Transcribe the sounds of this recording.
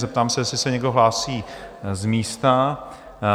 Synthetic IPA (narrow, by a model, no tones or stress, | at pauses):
zɛp̚t̪aːmsɛjɛsɪsɛɲɛɡdoɦlaːsiːzmiːst̪a